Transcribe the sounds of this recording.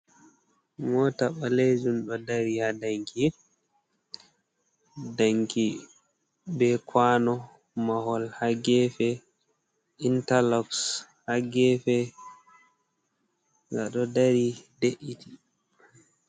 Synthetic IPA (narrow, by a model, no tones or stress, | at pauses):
mɔtaɓaled͡ʒunɗɔdaɾihadaŋkʰi | daŋki | bɛkʰwanɔ | maɦɔlhaɡɛfɛ | intalɔks | haɡɛfɛ | ŋɡaɗɔdaɾideʔitʰi